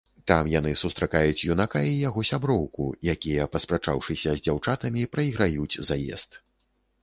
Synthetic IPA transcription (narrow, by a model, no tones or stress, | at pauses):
t̪amjanɨsust̪ɾakajut͡sʲjunakaijaɣɔsʲabɾɔwkṵjakʲijɐpɐspɾat͡ʂawʂɨsʲɐzʲd͡zʲawt͡ʂat̪ɐmʲipɾɐiɣɾajut͡sʲzajɛ̰st̪